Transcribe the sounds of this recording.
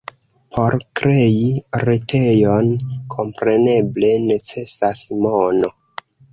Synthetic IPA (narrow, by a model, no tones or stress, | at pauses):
pʰo̞ɾkɾe̞iɾetʰe̞jonkʰo̞mpɾe̞ne̞ble̞ne̞t͡se̞sasmono̞